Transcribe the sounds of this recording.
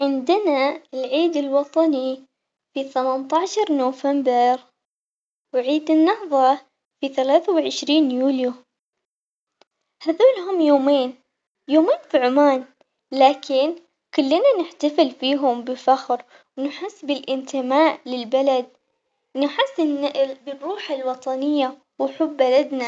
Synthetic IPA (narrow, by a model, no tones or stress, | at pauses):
ʕɪnd̪ɪnaɪlʕiːd̪ɪlwɑt̪ˤɑni | fiθamant̪aʕʃɑɾˤnuːfambɪɾ | wʕiːd̪ɪnːɑhðˤɑ | fiθalaːθawʕɪʃɾiːnjuːlju | haːðuːlɦʊmːjoːmeːn | joːmeːnfiʕʊmaːn | laːkɪn | kʊlːɪnanɪħt̪afɪlfiːɦʊmbɪfaxɾ | wnɪħɪsːbɪlʔɪnt̪ɪmaːʔlɪlbalad̪̚ | nɪħɪsːɪnːaʔlbɪrːuːħalwɑt̪ˤɑnɪjːa | wħʊbːalad̪na